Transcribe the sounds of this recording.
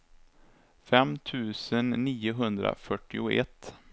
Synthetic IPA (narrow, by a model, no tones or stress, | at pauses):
fɛmt̪ʰʉ̟ːsənːiːʊɦɵnd̪ɾa̰fœʈːɪʊɛ̰t̪ː